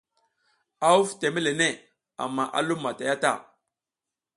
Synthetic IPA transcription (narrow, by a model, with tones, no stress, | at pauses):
a˦u˦fte˨me˦le˨ne˦˨ | a̰˨mːa˦˨ʔa̰˦lu˦mːa˨ta˨ja˦ta̰˦˨